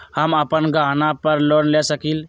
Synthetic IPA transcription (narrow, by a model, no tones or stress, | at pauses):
həməpənɡanapəɾlonlesəkil